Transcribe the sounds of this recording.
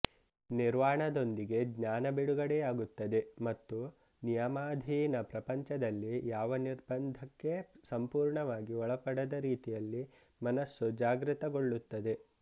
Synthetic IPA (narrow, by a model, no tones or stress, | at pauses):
niɾʋaːɳɐd̪o̞nd̪iɡe̞ɡɲaːnɐbiɽuɡɐɽejaːɡut̪ːɐd̪e̞mɐt̪ːu | nijɐmaːd̪ʱiːnɐpɾɐpɐɲt͡ʃɐd̪ɐlːijaːʋɐniɾbɐnd̪ʱɐkːe̞sɐmpuːɾɳɐʋaːɡiɔɭɐpɐɽɐd̪ɐɾiːt̪ijɐlːi | mɐnɐsːud͡ʒaːɡɾit̪ɐɡo̞ɭːut̪ːɐd̪e̞